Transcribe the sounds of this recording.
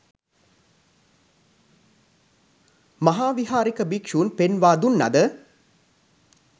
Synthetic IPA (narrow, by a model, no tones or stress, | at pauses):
mɐɦaːʋiɦaːɾikəbikʂuːnpenʋaːd̪unːɐ̰d̪ə